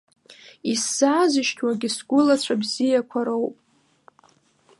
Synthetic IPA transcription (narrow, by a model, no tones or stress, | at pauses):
isːaːzɨʃtʰwaɡʲɪsɡʷʊlat͡ɕʷʰabzijakʷʰaɾowpʼ